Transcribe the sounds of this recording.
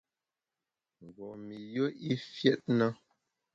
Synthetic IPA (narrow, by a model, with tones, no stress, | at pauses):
ŋ˨ɡɔ˨mi˨jo˦i˦fjɛ˦t̚na˦